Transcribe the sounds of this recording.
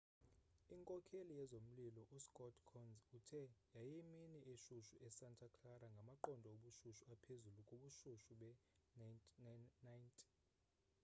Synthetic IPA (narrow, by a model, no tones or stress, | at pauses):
iŋkʼɔkʰelijɛzom̩lilɔʔuskʼɔdkʰɔnzutʰɛjajiminiʔeʃuʃuʔɛsantʰʼakʰlaɾaŋɡʱamaǃɔndʱɔoɓuʃuʃuapʰezulukʼuɓuʃuʃuɓɛ | najntʰʼi̥